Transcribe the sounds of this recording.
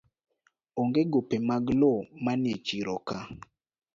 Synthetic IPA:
oŋɡeɡopemaɡlomanet͡ʃiɾɔka

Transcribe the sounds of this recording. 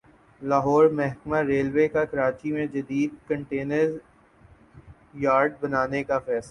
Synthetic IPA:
laːɦɔːɾmɛɦkmaɾeːlwekakɐɾaːt͡ʃimẽd͡ʒɐd̪iːd̪̚kɐ̃ɳʈeːnəɾ | jaːɾɖ̚bɐnaːnekafɛːsla

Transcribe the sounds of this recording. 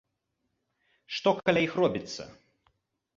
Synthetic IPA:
ʂt̪ɔkɐlʲaixrɔbʲit̪sːɐ̰

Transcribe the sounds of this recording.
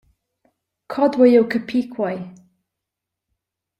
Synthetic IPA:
kʰɔdwɛjokʰəpʰikʰwaj

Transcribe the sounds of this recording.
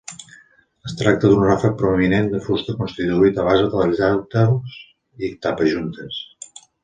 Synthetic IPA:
əst̪ɾak̚t̪ədunrafək̚pɾuəminend̪əfust̪əkunst̪it̪uit̪əβ̞azəðələzawt̪əls | iəkt̪apəʒunt̪əs

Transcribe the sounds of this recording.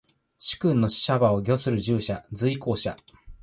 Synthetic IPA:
ɕi̥kɯ̟̃nːo̞ɕɕabao̞ɡʲo̞sɨɾɯ̟ʑɨːɕad͡zɨiko̞ːɕa

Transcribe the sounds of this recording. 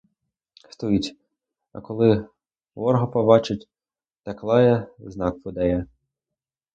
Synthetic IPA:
st̪ɔjitʲ | ɐ̰kɔlˠɪ | ʋɔrɦɔpɔbɑt͡ʃɪtʲ | t̪ɐklˠɑjɛznɑk̚pɔd̪ɛjɛ

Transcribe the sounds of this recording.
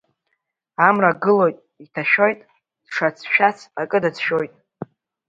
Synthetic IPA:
amraɡɨlo̞jtʼ | itʰaʃᶣojtʼ | d̥ʂat͡sʰʃᶣat͡sʰakʼɨdat͡sʰʃo̞jtʼ

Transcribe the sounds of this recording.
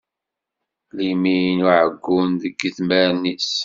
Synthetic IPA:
limijnuʕəɡːunðəɡːəθmæɾnis

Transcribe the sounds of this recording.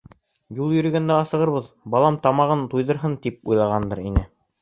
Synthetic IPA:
julˠjɵ̆ɾɵ̆ɡænd̪æɑsɤ̆ʁɤɾβɤð | bɑlˠɑmt̪ɑmɑʁɤnt̪ujðɤ̆ɾɦɤnt̪ip̚ujlˠɑʁɑnd̪ɤɾinɘ

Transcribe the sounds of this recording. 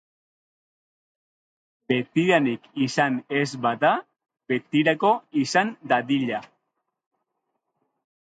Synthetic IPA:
be̞t̪iɾanikisane̞zbaða | be̞t̪iɾako̞isand̪aðiʎa

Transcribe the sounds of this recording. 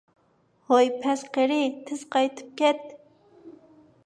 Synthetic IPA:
hojpʰɛsqeɾɪt̪ʰɪz̥qʰɑjt̪ʰɨ̥p̚kʲɛt̪̚

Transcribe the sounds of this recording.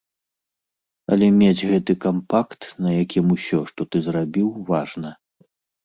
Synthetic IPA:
ɐ̰lʲɛmʲed͡zʲɣɛt̪ɨkampakt̪nɐjakʲimusʲɔʂt̪ɔt̪ɨzɾabʲiwvaʐnɐ

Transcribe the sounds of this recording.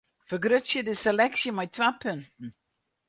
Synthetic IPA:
fəɡɾʏsədɪsɛlɛksjəmajt̪ʰvapʰʏntn̩

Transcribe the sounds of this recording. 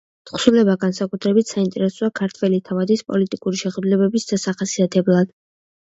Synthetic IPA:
t̪ʰχsulɛbaɡansakʼut̪ʰɾɛbit̪ʰsaint̪ʼɛɾɛsɔakʰaɾt̪ʰwɛlit̪ʰavad̪ispʼɔ̰lit̪ʼikʼuɾiʃɛχd̪ulɛbɛbisd̪̥asaχasiat̪ʰɛblˠad̪̥

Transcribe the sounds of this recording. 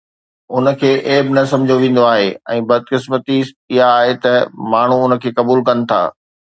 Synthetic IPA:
ʊnə̆kʰeːʔeːbɪnɐsɐ̃md͡ʑʱoʋĩːn̆d̪oaːɦeɛ̰̃ːbɐd̪̚kɪsmət̪i | ɪɦaːɦet̪ɐmaːɳ̤uʊnəkʰeːkɐbuːlkɐnɪ̆t̪ʰa̰ː

